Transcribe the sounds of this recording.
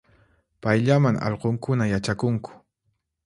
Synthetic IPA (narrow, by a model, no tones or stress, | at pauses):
pajʎamaŋɑ̰ʎqoŋkʊnajat͡ʃakʊŋkʊ̥